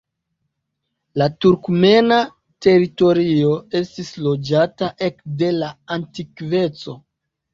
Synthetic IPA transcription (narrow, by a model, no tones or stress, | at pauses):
latuɾkme̞na | te̞ɾito̞ɾio̞e̞stislo̞d͡ʒataʔe̞kde̞laantikve̞t͡so̞